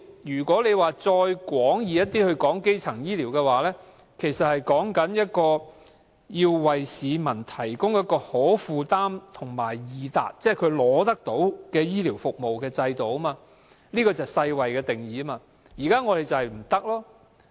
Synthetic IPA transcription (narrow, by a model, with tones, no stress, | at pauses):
jyː˨˩kʷɔː˨˥le˨˧jwaː˨t͡sɔː˧jkʷwɔː˨˥ŋjiː˨˧jɐ˥t̪iː˥hɵ˧ɥkɔː˨˥ŋke˥jt͡sʰɐ˨˩ŋjiː˥liː˨˩wkɛː˧waː˨˦lɛː˥ | kʰe˨˩jsɐ˨t̚hɐ˨jkɔː˨˥ŋkɐ˨˥njɐ˥t̚kɔː˧ | jiː˧wwɐ˨jsiː˨˧mɐ˨˩nt̪ʰɐ˨˩jkʊ˥ŋjɐ˥t̚kːɔː˧hɔː˨˥fuː˨˧t̪aː˥mt̪ʰʊ˨˩ŋmaː˨˩jjiː˨˧t̪a̰ː˨k̚t͡sɛː˥˩kʰɵ˨˧ɥlɔː˨˥t̪ɐ˥k̚t̪o˨˥wkɛː˧jiː˥li˨˩wfʊ˨k̚mo˨wkɛː˧t͡sɐ˧jt̪o˨˧˥wɐmaː˧ | liː˥kɔː˧t͡sɐ˨˩wsɐ˧jwɐ˨jkɛː˧t̪ɪ˨˩ŋjiː˨˥maː˧ | jiː˨˩kaː˥ŋɔː˨˧ɾe˨jt͡sɐ˨whjm̩˨˩t̪ɐ˥k̚lɔː˥